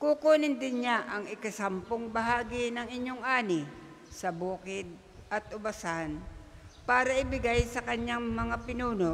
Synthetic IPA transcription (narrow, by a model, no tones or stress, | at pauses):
kʊkoːnɪnd̪ɪnɲaʔɐŋɪkɐsampoŋbɐɦaːɡɪnɐŋɪɲjoŋʔaːnɪ | sɐbuːkɪd̪̚ | ʔɐt̪̚ʔʊbasanpaːɾɐʔɪbɪɡajsɐkɐɲaŋmɐŋapɪnuːno